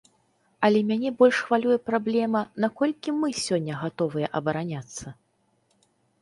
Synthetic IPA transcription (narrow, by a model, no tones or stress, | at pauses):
ɐlʲɛmʲanʲɛbɔlʲʂxvalʲujɛpɾablʲɛmɐnakɔlʲkʲimɨsʲɔnʲːɐɣat̪ɔvɨjɛʔɐbɐɾanʲat̪sːɐ